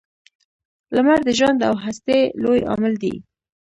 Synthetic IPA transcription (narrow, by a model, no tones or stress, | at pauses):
lamaɾd̪əʒwand̪awɦast̪elojɑ̰mɪld̪ḭ